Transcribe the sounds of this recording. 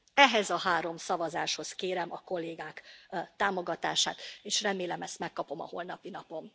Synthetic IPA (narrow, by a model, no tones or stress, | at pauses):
ɛɦɛzɒɦaːɾo̞msɒvɒzaːʃho̞skeːɾɛmɒko̞lːeːɡaːkt̪aːmo̞ɡɒt̪aːʃa̰ːt̪eːʃrɛmeːlɛmɛst̪mɛkːɒpo̞mɒ̰ho̞lnɒpinɒpo̞m